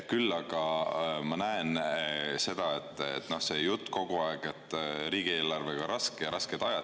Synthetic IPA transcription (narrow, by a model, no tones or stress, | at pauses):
kylːɑɡ̥ɑmɑnæense̞d̪̥ɑe̞t̪ˑːḛt̪ːˑno̞hse̞jut̪ːko̞ɡ̥uɑeɡ̥et̪ːɾiːɡie̞ːlɑrveɡ̥ɑɾɑskeɾɑsked̪̥ɑjɑ